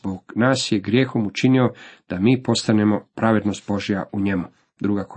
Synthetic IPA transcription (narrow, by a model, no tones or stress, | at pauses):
boɡ̥naːsjeɡɾje̞ːxo̞mut͡ʃinio̞d̪̥amiːpo̞st̪ane̞mo̞pɾaʋe̞d̪no̞st̪̚bo̞ʒijaʔuɲe̞mu | d̪ɾuːɡako